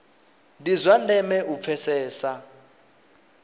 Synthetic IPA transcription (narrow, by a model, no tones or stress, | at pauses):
ndizʷwandɛmɛʔup̪fʰɛsɛːsa